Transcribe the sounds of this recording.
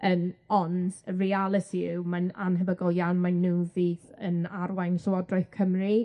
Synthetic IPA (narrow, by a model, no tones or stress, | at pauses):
ʔəmɔndərialˠətʰimananɦəvəɡɔlˠjawnmanːuviːðənarwansɔwɔdrɔɨθkʰəmri